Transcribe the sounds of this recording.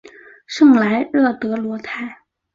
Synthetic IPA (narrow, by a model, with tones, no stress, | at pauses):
ʂɤ˥˧ŋla˧˥ɪɻɤ˥˩t̪ɤ˧˥lwɔ˧˥t̪ʰa˥˩ɪ